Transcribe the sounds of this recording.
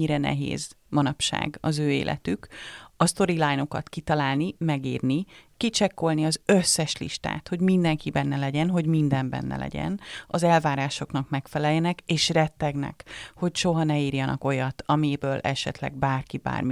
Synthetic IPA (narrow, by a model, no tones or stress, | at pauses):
iɾɛnɛ̰ɦḛːz | mɒnɒpʃa̰ːɡɒzøːḛːlʔɛ̰t̪ykɒst̪o̞ɾilajnokɒ̰t̪kit̪ɒlaːlnimɛɡiːrnikit͡ʃɛkːo̞lniɒzøsːɛʃlḭʃt̪a̰ːt̪ho̞ɟmind̪ɛŋkibɛnːɛlɛɟɛnɦo̞ɟmind̪ɛmbɛ̰nːɛ̰lɛ̰ɟɛ̰nɒzɛlvaːɾaːʃo̞knɒkmɛkfɛlɛjːɛnɛkeːʃrɛt̪ːɛɡnɛ̰kho̞cʃo̞ɦɒnɛiːrjɒnʔɒ̰ko̞jɒt̪ʰɒmibøːlʔɛʃɛ̰t̪lɛ̰ɡbaːrkiba̰ːrmi